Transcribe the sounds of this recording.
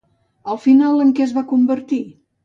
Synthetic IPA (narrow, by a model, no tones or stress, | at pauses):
əlˠfinalˠəŋkɛəzβakumbəɾt̪i